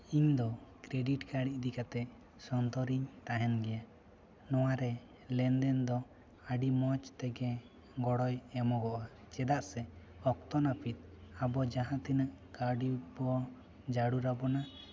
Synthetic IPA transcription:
iɲd̪ɔkɾeɖiʈkaɽiʔ̚d̪ikat̪ɛʔ | sɔnt̪ɔɾiɲt̪aɦɛnɡɛja | nɔwaɾɛ | lɛnd̪ɛnd̪ɔ | aɖimɔt͡ʃt̪ɛɡɛ | ɡɔɽɔjɛmɔɡɔʔa | t͡ʃɛd̪aʔsɛ | ɔk̚t̪ɔnapʰit̪̚abɔd͡ʒaɦãt̪inəʔkaɖibɔ | d͡ʒaɽuɾabɔna

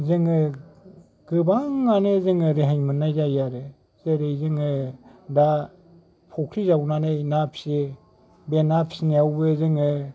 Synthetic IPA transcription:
zɯŋɯ | ɡ̥ɯbaŋːanezɯŋɯɾeɦaɲmɯnːajzajaɾɯ | zeɾejzɯŋɯda | pʰɔkʰɾizabunanɯjnapʰsi | benapsineawbɯzɯŋɯ

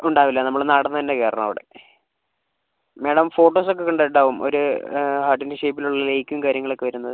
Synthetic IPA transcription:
uɳɖaːʋilːɐnɐmːɐɭnaːɽɐnːɐðɐnːekeːɾɐɳɐmːɐʋiɽḛ | meːɽɐmfo̞ːʈːoːsok̬ːe̞kɐɳɖeʈːaːʋumo̞̰ɾuhaːʈːendiʂejp̬ːiluɭːɐlejkʲːumkaːɾjɐŋːɐɭo̞kːeʋɐɾunːɐðɨ

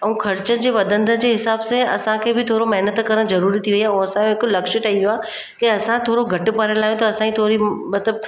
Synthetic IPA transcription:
ɐ̃ũkʰɐɾɪt͡ɕənɪ̆d͡ʑeːʋɐd̪ʱə̃nd̪ʱəd͡ʑeːɦɪsaːbsẽɐ̰sãkʰeːbɪt̪ʰoːɾomɐɦnət̪kɐɾəɽ̃zɐɾuːɾit̪ʰiʋɐiaːũɐsãjõɦɪkʊlɐkʃʊ̆ʈaĩuaː | kiɐsãt̪ʰoːɾoɡʱɐʈɪ̆paɾɪlaːɦjõt̪ɐɐsãit̪ʰoːɾimɐt̪ləb̚

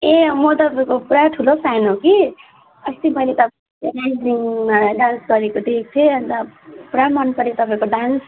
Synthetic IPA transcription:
emʌt̪ʌpaikopɾaʈʰulosajnɦoki | ʌst̪imʌjlet̪ʌp | ɾajziŋɖansɡʌɾekod̪ek̚t̪ʰeʌnt̪ʌpɾamʌnpʌɾit̪ʌpaĩkoɖans

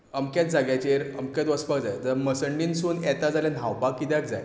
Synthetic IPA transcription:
əmkjat̪̚d͡zaɡjat͡ɕeɾəmkjat̪ʋəspakd͡zajt̪əɾməsəɳɖinsuːnɛt̪ad͡zaljan̤awpakːit̪akd͡za̰j

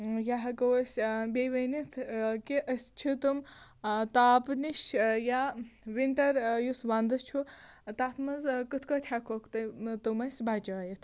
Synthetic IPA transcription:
jaɦɐkɐwɐsʲbeʋɐnit̪ʰkiʔəsʲt͡ʃʰit̪umt̪aːpniʃjaʋiɳʈɐɾjusʋand̪ɨt͡ʃʰut̪at̪ʰmɐzkɨt̪ʰkɐt̪ʲʰjakʰokʰt̪ɐt̪ɨmɐsʲbat͡ʃaːjit̪ʰ

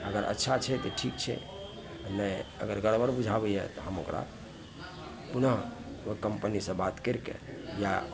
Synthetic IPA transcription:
əɡəɾʔə̰tːʃʰat͡ʃʰɛt̪oʈʰik̚t͡ʃʰɛ̰ | nəiə̰ɡəɾɡəɽbəɾbud͡ʒʱabɛɛ̰t̪ɔɦəmokɾa̰ | punəɦ | kəmpənisə̃bat̪keɾkḛja

